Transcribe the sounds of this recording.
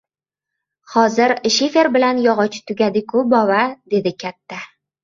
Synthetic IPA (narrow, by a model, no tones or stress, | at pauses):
χɒzɪɾʃefeɾbɪlanjɒʁɒt͡ʃʰɪ̥t̪ʰʊɡʲad̪ɪkʰʊbɒvad̪e̞d̪ɪkʲʰat̪ʰːa